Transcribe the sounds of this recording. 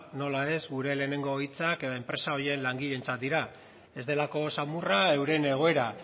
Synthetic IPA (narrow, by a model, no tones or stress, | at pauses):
no̞lae̞zɡuɾe̞le̞ːne̞ŋɡoːjt͡sakeempɾe̞sao̞je̞nlaŋɡiʎe̞nt͡sat̪̚d̪iɾa | e̞zd̪e̞lako̞samurae̞wɾe̞ne̞ɣ̞o̞e̞ɾa